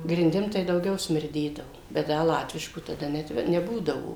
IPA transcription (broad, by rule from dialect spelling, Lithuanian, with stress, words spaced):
ɡrʲɪnʲˈdʲɪm tɐɪ dɐʊˈɡʲɛʊ sʲmʲɪrʲˈdʲeːdɐʋoː bʲɛt ˈdɐ ˈlˠɑːtʲʋʲɪʃkʊ tɐˈdɐ nʲɛtʲˈʋʲɛ nʲɛˈbuːdɐʋoː